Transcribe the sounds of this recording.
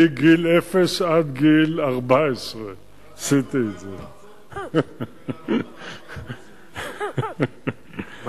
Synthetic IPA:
iɡilefesad̪ɡilaʁbaesʁe | sit̪eize

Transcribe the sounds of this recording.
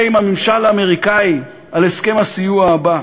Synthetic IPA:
imamimʃalaːme̞ʁikai | ale̞ske̞masijuaːba

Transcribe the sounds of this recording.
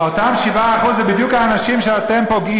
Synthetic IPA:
ot̪amʃivaːχuzebid̪jukhaːnaʃimʃeat̪e̞mpo̞ɡi

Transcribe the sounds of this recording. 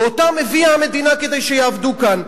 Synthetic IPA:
ot̪ameviamed̪inaked̪ejʃejavd̪ukan

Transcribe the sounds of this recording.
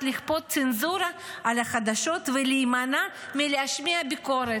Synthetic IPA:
liχpo̞t̪̚t͡senzuɾaʔalaχad̪aʃo̞t̪velijmana | mileaʃmiabiko̞ɾe

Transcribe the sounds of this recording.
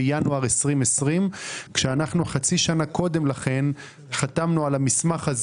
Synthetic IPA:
januaʁesʁimesʁimkʃeanaχnuχat͡siʃanako̞d̪e̞mlaχe̞n | χatamnualamismaχaz

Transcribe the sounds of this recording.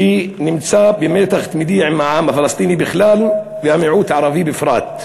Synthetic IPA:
iːnɪmsaːbjameːt̪axt̪mɪd̪iːʕɪmaʕaːmːafɪlɑsˤt̪ˤiːnibɪxlaːl | wjamɪʕuːt̪ʕɑɾˤɑfibɪfɾˤɑ̰ːt̪

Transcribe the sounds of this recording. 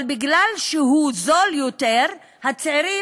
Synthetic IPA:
lbiɡlalʃeɦuzo̞ljoteʁ | hat͡siʁi

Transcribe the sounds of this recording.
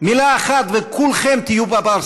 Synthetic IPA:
milaːχat̪vekʰulχemt̪ijubabal

